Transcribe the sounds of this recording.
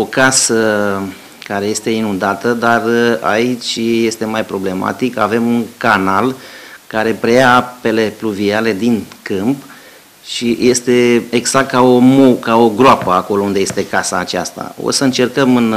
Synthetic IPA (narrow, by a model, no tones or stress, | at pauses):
o̞kasə | kaɾeje̞st̪e̞inund̪at̪əd̪ara̰it͡ʃʲje̞st̪e̞majpɾo̞ble̞ma̰t̪ika̰ve̞munkanalkaɾe̞pɾe̞jaape̞le̞pluviale̞d̪inkɨmp | ʃije̞st̪e̞eɡz̥ak̚t̪̚kao̞mokaoɡɾoapəako̞lo̞und̪e̞je̞st̪e̞kasaːt͡ʃa̰st̪a̰o̰səɨnt͡ʃe̞rkəmɨn